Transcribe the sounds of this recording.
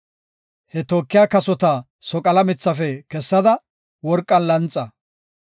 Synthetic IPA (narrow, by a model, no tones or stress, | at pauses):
hɛt̪oːkːɪjaːkɐsɔt̪ɐ | sɔkʼɐlɐmɪt͡sːɐfɛkɛsːɐd̪ɐ | wɔɾkʼːɐnlɐnt͡sʼːɐ